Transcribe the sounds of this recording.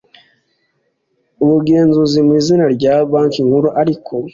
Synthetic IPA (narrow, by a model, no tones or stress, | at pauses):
uβuɡe̞ːnzuzimwiːzinaɾɟaːbaːŋkiŋhuɾuʔaɾikʰo̞